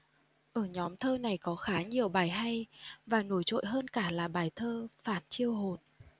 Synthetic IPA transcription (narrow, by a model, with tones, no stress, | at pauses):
ʔəː˧˩ɲɔ˨˦mt̪ʰəː˧na˨˩jkɔ˨˦xaː˨˦ɲi˨˩əwɓaː˨˩jɦa˧jvaː˨˩no˧˩jt͡ɕo̰˧˨jɦəː˧nkaː˧˩laː˨˩ɓaː˨˩jt̪ʰəː˧faː˧˩nt͡ɕi˧əwɦo˨˩n